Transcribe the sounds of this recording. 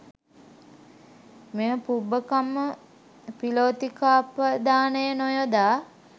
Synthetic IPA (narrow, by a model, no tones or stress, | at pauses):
mejəpubəkamːə | piloːt̪ikaːpəd̪aːnəjənojod̪aː